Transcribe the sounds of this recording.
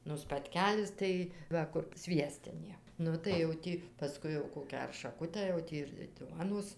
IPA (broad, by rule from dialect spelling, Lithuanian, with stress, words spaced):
nʊ spɐtʲˈkʲæːlʲɪs ˈtɐɪ ˈʋɐ kʊr ˈsʲʋʲiɛsʲtʲɪnʲeː ˈnʊ tɐɪ jɛʊ ˈtʲiː pɐˈskʊɪ jɛʊ ˈkoːkʲæː ɐr ʃɐˈkʊtʲæː jɛʊ ˈtʲiː ɪr ˈduɔnoːs